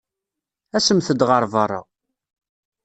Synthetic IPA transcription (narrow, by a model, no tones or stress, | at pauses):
æsəmθəd̪ʁəɾˤvɑrˤːɑ̰